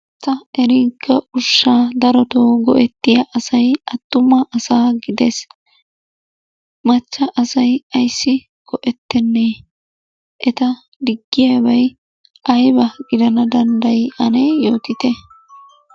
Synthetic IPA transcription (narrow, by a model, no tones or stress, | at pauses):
t̪ːɐɛɾiːɡːɐʔʊʃːaːd̪ɐɾɔt̪oːɡɔʔɛt̪ːɪjɐʔɐsɐjɐt̪ːʊmɐʔɐsaːɡɪd̪es | mɐt͡ʃːɐʔɐsɐjɐjsːɪ | ɡ̥ɔʔɛt̪ːɛnːeː | ʔɛt̪ɐ | d̪ɪɡːɪjɐbɐj | ʔɐjbɐɡɪd̪ɐnɐd̪ɐnd̪ɐjʔɐnejo̞ːt̪ɪt̪ɛ